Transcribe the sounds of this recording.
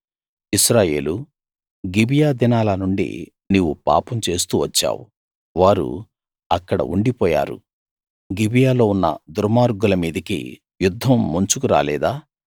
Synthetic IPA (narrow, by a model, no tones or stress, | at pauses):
isɾaːje̞̰ːlu | ɡibijaːd̪inaːlɐnuɳɖḭ | niːʋupa̰ːpɐmt͡ʃe̞ːs̬t̪uːʋɐt͡ʃːa̰ːwṵ | ʋaːɾṵ | ɐkːɐɽɐ̰ʔuɳɖipɔːja̰ːɾṵ | ɡibijaːlo̞ːunːɐ̰d̪uɾmaːɾɡulɐmiːd̪ɐkḭ | jud̪ʱːɐmːuɲt͡ʃukuɾa̰ːlɛːd̪aː